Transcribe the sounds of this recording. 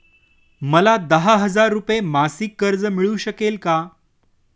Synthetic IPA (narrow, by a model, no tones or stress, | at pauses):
məlad̪əɦaɦəd͡zaɾːupemasikːəɾd͡zəmiɭuːɕəkelka